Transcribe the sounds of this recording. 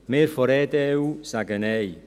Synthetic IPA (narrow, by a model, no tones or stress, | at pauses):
merfɔɾɛdɛwsaɡənej